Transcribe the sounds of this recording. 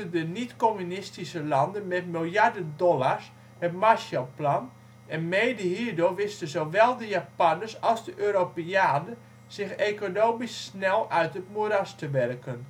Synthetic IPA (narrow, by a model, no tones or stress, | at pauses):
ədənitkomynɪstisəlɑndənmɛtmilˠjardəndɔlaɹs | hətmaʃalˠplan | ɛnmejdəhiːrdʊrʋɪstənzoʋɛlˠdəjapanəsɑlˠzdəʔøːɾopeaːnə | z̥ɪxekonoːmisːnɛlˠœɥtətmuɾastəʋɛrkən